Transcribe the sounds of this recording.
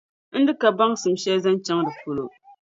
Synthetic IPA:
n̩˦dɨ˦ka˨ba˦ŋsɨ˨mʃɛ˦za˦n˦t͡ʃa˦ŋdɨ˨fu˨lo˨

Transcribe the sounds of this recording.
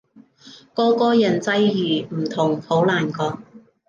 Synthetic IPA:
kɔː˥kɔː˥jɐ˨˩nt͡sɐ˧˥jjyː˨˩m̩˨˩t̪ʰʊ˨˩ŋpʰo˨˥wlaː˨˩nkɔː˧k̚

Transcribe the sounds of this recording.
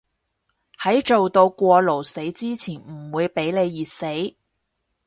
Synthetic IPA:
hɐ˨˥jt͡ʃo˨wt̪o˧wkʷɔː˧lo˨˩wse˨˥jt͡siː˥t͡sʰiː˨˩nm̩˨˩wuː˨˧jpe˨˥jle˨˧jːiː˨t̚se˨˥j

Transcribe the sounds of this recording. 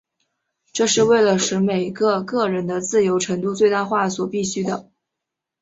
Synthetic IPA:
ʈ͡ʂɤ˥˧ʂɻ̩˥˧we˥˩ɪlə˩ʂɻ̩˧˥me˨˩ɪɡə˧kɤ˥˩ɻə˧˥nd̪ə˧t͡sɹ̩˥˩jo˧˥ʊʈ͡ʂʰɤ˧˥ŋt̪u˥˧t͡swe˥˧ɪt̪a˥˧xwa˥˩swɔ˨˩pi˥˩ɕy˥d̪ə˨

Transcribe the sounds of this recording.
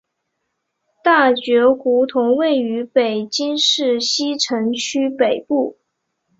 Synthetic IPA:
t̪a˥˩t͡ɕɥɛ˧˥xu˧˥t̪ʰʊ˧˥ŋwe˥˩ɪy˧˥pe˨˩ɪt͡ɕi˥ŋʂɻ̩˥˩ɕi˥ʈ͡ʂʰɤ˧˥ŋt͡ɕʰy˥pe˨˩ɪpu˥˩

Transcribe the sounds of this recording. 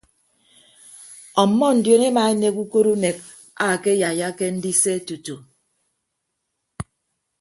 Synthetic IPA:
ɔ˨˦mːɔ˦n̩˨djo˨ne˦ma˨e˦ne˦ku˦ko˦ɾu˦ne˨k̚ | a˨ke˦ja˨ja˦ke˦n̩˦di˦se˦tu˨tu˨

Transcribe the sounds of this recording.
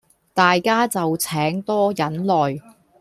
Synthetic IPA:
t̪aː˨jkaː˥t͡sɐ˨wt͡sʰɛː˨˥ŋt̪ɔː˥jɐ˨˥nlɔː˨j

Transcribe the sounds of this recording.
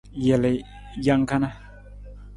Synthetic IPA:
jɛ˨le˨ | ja˦ŋka˦na˦

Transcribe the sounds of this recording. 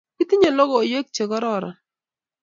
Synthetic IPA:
ki˦t̪i˦ɲo˨lɔ˦ɡɔ˦˨o˨je˦k̚t͡ʃe˨ɡɔ˦ɾɔ˦ɾa̰˨

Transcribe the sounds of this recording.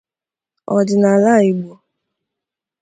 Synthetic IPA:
ɔ˨dɪ˨na˨la˦˨i˨ɡ͡bo˨

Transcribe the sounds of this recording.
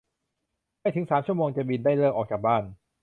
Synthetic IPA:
ma˥˩jt̪ʰɯ˩˦ŋsaː˩˦mt͡ɕʰu˥˩əmoː˧ŋt͡ɕa˨˩bi˧ndaː˥˩jlɤː˥˩k̚ʔɔː˨˩k̚t͡ɕaː˨˩k̚baː˥˩n

